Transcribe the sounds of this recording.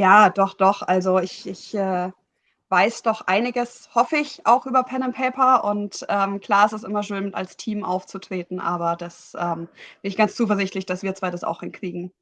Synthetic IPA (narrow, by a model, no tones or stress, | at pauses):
jaːd̥ɔχd̥ɔχʔalzoɪçʔɪçʔɛː | vaɪsd̥ɔχʔa̰ɪnɪɡəs | hɔfəɪça̰ʊxʔyːbɐpʰɛnəmpʰɛɪpɐʔʊntʔɛːmkl̥aːɐɛstɛsʔɪmɐʃøːnmɪta̰lstʰiːmʔa̰ʊft͡sutʁ̥eːtn̩ʔa̰ːβɐd̥asʔɛːmb̥ɪnɪçɡ̥ant͡st͡suːf̬ɛɐzɪçtlɪçd̥asv̥iːɐt͡sv̥aːdasa̰ʊxhɪnkʁ̥iːɡŋ̩